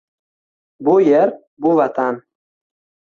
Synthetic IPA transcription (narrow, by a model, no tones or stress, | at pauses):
bujɛɾ | buvat̪ʰan